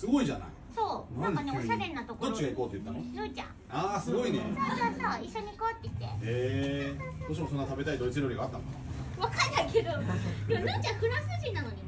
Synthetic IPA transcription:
sɨɡo̞iʑana̰i | soːnãkaneoɕaɾe̞nːat̪o̞koot͡ɕiɡaikoːt̪ːejɯ̟t̪ːanonoːt͡ɕã̰ | aːsɨɡo̞inḛsãaaiɕːoɲ̟ikaβat̪ːeit̪ːe̞̰e | boːɕ̬imosonːat̪abe̞t̪aid̪o̞it͡sɨɾʲjoːɾiɡat̪ːãnŋka̰ | βakainaikʰe̞d̪oemonɯːt͡ɕãɸɯ̟ɾãsɨɕinano̞ɲ̟i

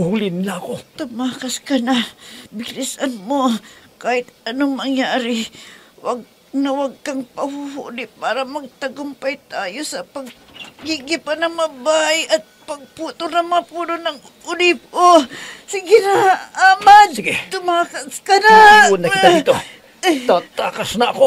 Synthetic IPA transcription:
hulɪnɪlaɐkot̪ʊmaːkɐskɐnabɪɾɪsʔanmokaːhɪt̪ɐnoŋmɐŋjaːɾɪwɐɡ̚ | nɐwɐɡ̚kɐŋpɐhuhṵʔlɪpːaːɾɐmɐɡ̚t̪ɐɡʊmpɐjt̪aːjosɐpɐɡ̚ɡiɡɪpanɐŋmɐbajɐt̪̚pɐɡ̚puːt̪onɐŋmɐŋɐpuːnonɐŋ | ʔʊliːp̚osɪɡɪnaamasɪɡɛt̪ʊmakɐskɐnaunɐkɪt̪at̪o | t̪at̪aːkasnɐɐko

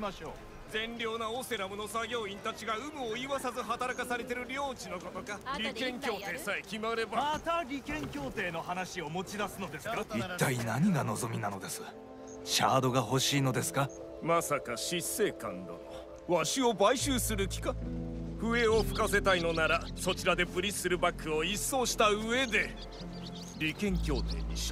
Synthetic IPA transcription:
ɕoː | zẽ̞nɾʲo̞ːnaose̞ɾamɯ̟no̞saɡʲo̞ːĩnt̪at͡ɕiɡaɯ̟mɯ̟oiβasazɨɦat̪aɾakasaɾe̞t̪e̞ɾɯ̟ɾʲo̞ːt͡ɕino̞ko̞t̪okaɾʲikẽ̞ŋkʲo̞ːt̪e̞ːsaekʲimaɾe̞bamat̪aɾʲikẽ̞ŋkʲo̞ːt̪e̞ːno̞hanaɕio̞mo̞t͡ɕid̪asɨno̞d̪e̞sɨ̥kait̪ːainaɲ̟iɡano̞zo̞mʲinano̞d̪e̞sɨ̥ | ɕa̰ːd̪o̞ɡaho̞ɕiːno̞d̪e̞sɨ̥ka | masakaɕisːe̞ːkã̰nd̪o̰ | βaɕio̞baiɕɨːsɨɾɯ̟kʲi̥kaɸɯ̟e̞o̞ɸɯ̟̥kase̞t̪aino̞naɾaso̞t͡ɕiɾad̪e̞pɯ̟ɾʲisɨɾɯ̟bakːɯ̟o̞isːo̞ːɕi̥t̪aɯ̟e̞d̪e̞ | ɾʲikẽ̞ŋkʲo̞ːt̪e̞̰ːɲ̟iɕ

